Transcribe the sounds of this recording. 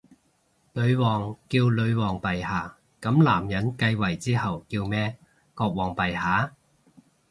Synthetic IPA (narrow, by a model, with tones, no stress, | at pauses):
lɵ˨˧ɥwɔː˨˩ŋkiː˧wlɵ˨˧ɥwɔː˨˩ŋpɐ˨jhaː˨˩ | kɐ˨˥mlaː˨˩mjɐ˨˥nkɐ˧jwɐ˨˩jt͡siː˥hɐ˨wkiː˧wmɛː˥ | kɔː˧k̚wɔː˨˩ŋpɐ˨˩jhaː˨˥